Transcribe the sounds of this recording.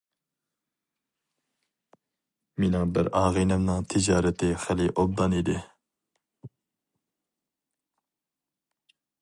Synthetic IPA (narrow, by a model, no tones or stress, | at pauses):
minɪŋbɪɾɑːʁinɛmnɨŋt̪ʰɪd͡ʒɑːɾɛt̪ʰɪχælɪʔob̚d̪ɑnid̪ɪ